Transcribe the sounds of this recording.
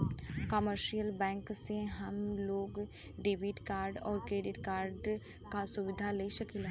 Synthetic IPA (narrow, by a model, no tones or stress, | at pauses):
kəməɾʃijəlbɛ̃ːŋkseɦɐmloːɡ | ɖɪbiʈkaːɾɖɔːɾkɾeːɖɪʈkaːɾɖ | kasʊʋɪd̪ʱaleiʃɐkilɦ